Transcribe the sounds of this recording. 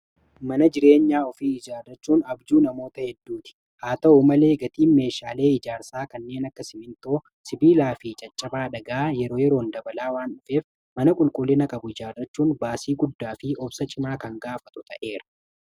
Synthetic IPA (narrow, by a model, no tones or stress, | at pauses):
mɐnɐd͡ʒɪɾe̞ːɲːaːɔfiːɪd͡ʒaːrːɐt͡ʃːuːnɐbd͡ʒuːnɐmo̞ːt̪ɐhɛd̪ːuːt̪ɪ̥ | haːt̪ɐumɐle̞ːɡɐt̪iːnme̞ːʃaːle̞ːɪd͡ʒaːɾsaːkɐnːe̞ːnɐkːɐsɪmɪnt̪oː | sɪbiːlaːfɪt͡ʃʼɐt͡ʃʼːɐbaːᶑɐɡaːjɛɾo̞ːjɛɾo̞ːnd̪ɐbɐlaːwaːnᶑʊfe̞ːf | mɐnɐkʼʊlkʼʊlːɪnɐkʼɐbʊɪd͡ʒaːrːɐt͡ʃːuːnbaːsiːɡʊd̪ːaːfɪʔɔbsɐt͡ʃʼɪmaːkɐŋɡaːfɐt̪ʊt̪ʰɐʔe̞ːɾɐ̥